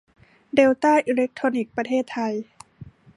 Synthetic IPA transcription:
deː˧wt̪aː˥˩jʔiː˧le˦˥k̚t̪ʰɾoː˧ni˨˩k̚pɾa˧t̪ʰeː˥˩t̪ʰːa˧j

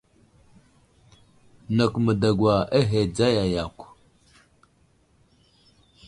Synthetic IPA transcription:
na˨kmə˨da˨ɡwa˨e˦ɦe˨d͡za˦ja˨ja˨kʷ

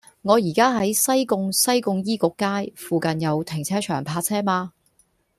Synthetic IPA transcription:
ŋɔː˨˧jiː˨˩kaː˥ɦɐ˨˥jsɐ˥jkʊ˧ŋsɐ˥jkʊ˧ŋjiː˥kʊ˨˧˥kːaː˥jfuː˨kɐ˨njɐ˨˧wt̪ʰɪ˨˩ŋt͡sʰɛː˥t͡ʃʰœː˨˩ŋpʰaː˧t͡sʰɛː˥maː˧

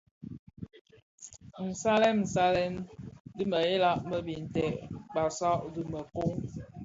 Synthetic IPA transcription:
n̩˨sa˦lɛ˦mn̩˨sa˦lɛ˦ndi˦mə˨e˦la˦˨ʔmə˦bi˨n̩˨tɛ˨ʔk͡pa˨sa˦ʔdi˦mə˨ko˦ŋ

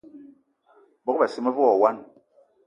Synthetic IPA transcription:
bɔ˦k̚ba˨si˦mɛ˦vɔ˨wa˦n

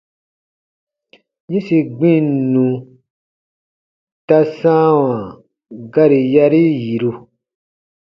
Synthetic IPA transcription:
ɲĩ˦si˨ɡ͡bĩ˦˨nũ˨ | ta˦sãː˦wã˨ | ɡa˦ɾi˨ja˦ɾi˦ji˨ɾu˧

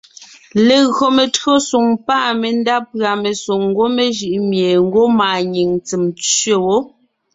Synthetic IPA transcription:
le˨ɣɰo˨me˨tɰo˦su˨ŋpaː˦˨me˨n˦da˦pɰa˨me˨so˨ŋ˦ɡo˦me˦ʒɯ˨ʔmje˨ŋ̩˦ɡo˦maː˨ɲi˨ŋt͡si˨mt͡sɥe˦wo˦

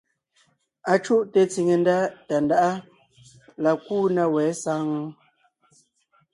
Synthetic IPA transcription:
a˨t͡ʃu˦ʔte˨t͡si˨ŋe˨nda˦ta˨nda˦ʔa˦ | la˨kuː˦na˦wɛː˨˦sa˦ŋ˦

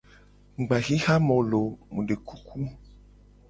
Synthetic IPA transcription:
ŋ̩˨ɡ͡ba˨ɣi˦xa˦mɔ̃˨lo˨mũ˨ɖe˨ku˦kʰu˦

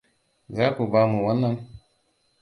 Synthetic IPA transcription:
za˦ku˨ba˦mu˨wa˨˦nːa˦m

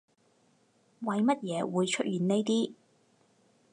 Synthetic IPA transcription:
wɐ˨˧jmɐ˥t̚jɛː˨˧wuː˨˧jt͡ʃʰɵ˥t̚jyː˨˧nne˥jt̪iː˥

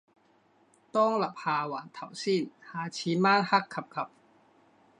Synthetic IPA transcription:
t̪ɔː˥˩ŋla˨˩p̚haː˧waː˩˦nt̪ʰa˨˩˦wsiː˥˩nhaː˧t͡ɕʰiː˧maː˥˨nha˦˥kʰːa˨˧˩p̚kʰa˧˥p̚

